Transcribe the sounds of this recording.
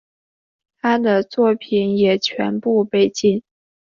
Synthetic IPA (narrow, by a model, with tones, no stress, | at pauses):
t̪ʰa˥d̪ə˨t͡swɔ˥˩pʰi˨˩˦njɛ˨˩t͡ɕʰɥɛ̰˧˥npu˥˧pe˥˧ɪt͡ɕi˥˩n